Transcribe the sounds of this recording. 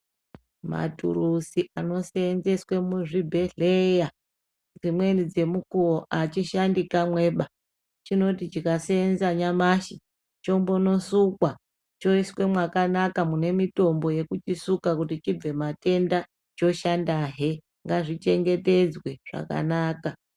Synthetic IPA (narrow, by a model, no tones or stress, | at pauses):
ma̰tṵrusiʔano̞seenzeswe̞muʐibʱe̞ɮeja | d͡zimwe̞nid͡ze̞mukuoʔat͡ʃiʃandikamwe̞ɓa | t͡ʃino̞tit͡ʃikaseenzaɲamaʃi | t͡ʃo̞mbo̞no̞sukwa | t͡ʃo̞iswe̞mwakanakamune̞mito̞mbo̞je̞kut͡ʃisukakutit͡ʃib͡ve̞mate̞nda | t͡ʃo̞ʃandaɦe | ŋɡaʐit͡ʃe̞ŋɡe̞te̞d͡zwe̞ʐ̥a̰ka̰naːka